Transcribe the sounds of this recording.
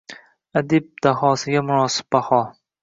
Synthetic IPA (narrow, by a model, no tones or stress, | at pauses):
ad̪ɪb̚d̪̥aɦɒːsɪɡʲamʊɾɒːsɪ̥b̚bahɒ